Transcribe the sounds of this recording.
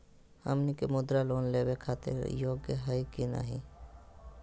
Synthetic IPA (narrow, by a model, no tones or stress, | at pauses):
hə̰mnikemʊd̪ɾaloːnleːwekʰaːt̪ḛɾjoːɡeɦəjkina̰ːɦi